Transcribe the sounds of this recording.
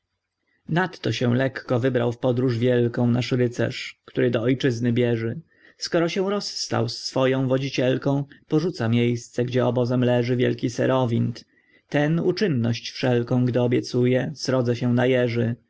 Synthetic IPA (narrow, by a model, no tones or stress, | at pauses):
nat̪ːɔɕɛ̃lɛkːɔvɘbɾawfpɔd̪ɾuʐvʲjɛlkɔ̃w̃naʂɾɘt̪sɛ̰ʂkt̪uɾɘd̪ɔɔjt͡ʂɘznɘbʲjɛʐɘ | skɔɾɔɕɛ̃ɾɔsːt̪a̰wsːfɔjɔ̃w̃vɔd͡ʑit͡ɕɛlkɔ̃w̃pɔʐut̪samʲjejst̪sɛɡd͡ʑɛɔbɔzɛmlɛʐɘvʲjɛ̰lkʲisɛ̰ɾʔɔvʲint̪ | t̪ɛnut͡ʂɘnːɔɕt͡ɕfʂɛlkɔ̃w̃ɡd̪ɘɔbʲjɛt̪sujɛsɾɔd̪zɛɕɛ̃najɛʐɘ